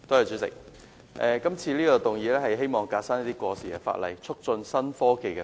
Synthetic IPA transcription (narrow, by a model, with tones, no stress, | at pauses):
t̪o˥jɐ˨˧jt͡sy˨˧˥sɪ̰˨˩k̚ | ʔɛː˨˧kɐ˥mt͡sʰiː˧liː˥kɔː˧t̪ʊ˨ŋjiː˨˧lɛː˥hɐ˨jɦe˥jmɔː˨˩ŋkaː˧t̚saː˥niː˥t̪iː˥kwɔː˧siː˨ɛ˧fa̰ː˧t̚lɐ̰˨˩jt͡ʃʰʊ˥k̚t͡sɵ˧nsɐ˥nfɔː˥ke˨˩jkɛ˧